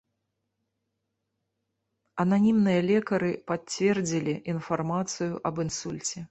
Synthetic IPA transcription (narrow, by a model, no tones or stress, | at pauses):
ɐnanʲimnɨjɐlʲɛkɐɾɨpat͡sʲvʲɛrd͡zʲilʲiʔinfarmat̪sɨjuʔɐbɨnsulʲt͡sʲɛ